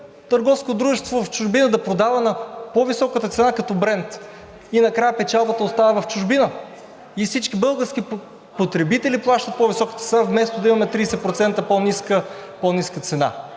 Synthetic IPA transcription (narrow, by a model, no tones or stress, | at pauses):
t̪əɾɡɔfskot̪d̪ɾuʒɛst̪vovɐft͡ʃʊʒbinəd̪ɐpɾod̪avənɐpovisɔkət̪ət̪sɛnakɐt̪ɔbɾɛnt̪ | inɐkɾajəpɛt͡ʃalˠbət̪əost̪avəvɐft͡ʃʊʒbinə | ifsit͡ʃkibɤlˠɡəɾsk̟i | pot̪ɾɛbit̪ɛliplˠaʃt̪ət̪̚povisɔkət̪ət̪sɛnavmɛst̪od̪ɐimɐmɛt̪ɾiːsɛpɾot̪sɛnt̪əpɔniskəpɔniskət̪sɛna̰